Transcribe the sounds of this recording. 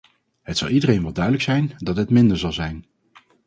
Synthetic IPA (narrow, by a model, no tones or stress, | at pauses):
ɦətsɑ̰lˠidərejnʋɑlˠdœɥdələksɛjndɑtɦətmɪndəɹzɑlˠzɛjn